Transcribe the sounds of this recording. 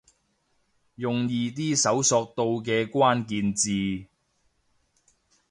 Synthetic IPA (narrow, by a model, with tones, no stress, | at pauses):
jʊ˨ŋjiː˧t̪̬iː˥sɐ˨˥wsɔː˧k̚t̪o˧wk̬ɛː˧kʷaː˥nkiː˧nt͡siː˨˧